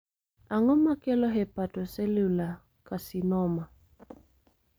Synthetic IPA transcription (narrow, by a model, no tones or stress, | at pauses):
aŋɔmakɛlɔɦɛpatɔsɛlula | kasinɔma